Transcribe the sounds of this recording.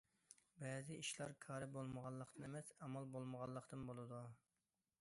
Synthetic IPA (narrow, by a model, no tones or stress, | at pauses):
bɛzɪiʃlˠɑɾkʰɑːɾɨbolˠməʁɑnlˠːəqt̪ɨnemɛsɛmɑlˠbolˠməʁɑlˠːəqt̪ɨnbolˠɨd̪u